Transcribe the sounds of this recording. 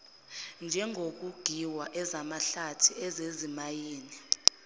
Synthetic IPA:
nd͡ʒʱɛŋʱok̬uɡ̥ʱiwaʔɛzamaɬatʰiɛzezimajiːni

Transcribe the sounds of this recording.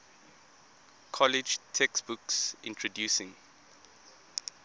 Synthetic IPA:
kʰɔlid͡ʒtʰɛksbuksʔḭ̃ntʰɹɔdjusɪ̃ŋ

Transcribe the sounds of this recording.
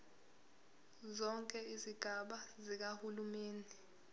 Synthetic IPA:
zɔŋkʼɛiziɡ̥ʱaɓazik̬ahulumeːni

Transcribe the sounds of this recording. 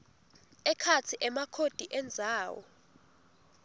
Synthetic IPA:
ɛkʰat͡sʰiʔɛmakʰod̥ʱiʔɛnd͡zʱaːwɔ̰

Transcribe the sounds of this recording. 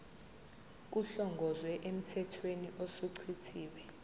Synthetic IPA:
k̬uɬɔŋɡʱɔzwɛʔem̩tʰɛtʰweniʔosuǀʰitʰiːɓɛ

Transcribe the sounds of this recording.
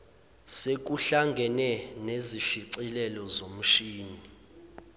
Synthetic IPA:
sek̬uɬaŋɡʱɛnɛneziʃiǀilɛlɔzom̩ʃiːni

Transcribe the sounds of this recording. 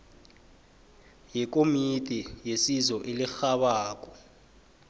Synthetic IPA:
jik̬ʼomitʼijesizɔʔelixaɓaːk̬ʼɔ

